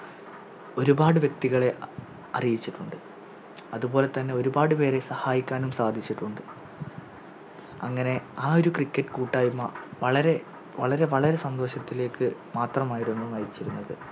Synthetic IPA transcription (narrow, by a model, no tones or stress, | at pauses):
o̞ɾubaːɽɨʋjek̚t̪iɣɐɭe̞ʔ | ɐ̰rijit͡ɕːiʈːuɳɖɨ | ɐðubo̞ːle̞t̪ɐnːe̞o̞ɾubaːɽɨpe̞ːɾe̞sɐhaːjikʲːaːnumsaːd̪ʱit͡ɕːiʈːuɳɖɨ | ɐ̰ŋːɐne̞aːo̞ɾukrikʲːɐʈːɨ̥kuːʈːaːjumːɐʋɐɭɐɾe̞ | ʋɐ̰ɭɐɾe̞ʋɐɭɐɾe̞sɐnd̪o̞ːɕɐt̪ːile̞ːkːɨmaːt̪rɐmaːjiɾenːunɐjit͡ɕːiɾunːɐðɨ